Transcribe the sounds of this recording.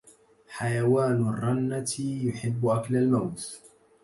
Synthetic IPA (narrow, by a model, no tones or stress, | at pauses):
ħajawaːnrˤːɑnːat̪jʊħɪbːʊʔaklalmawt̪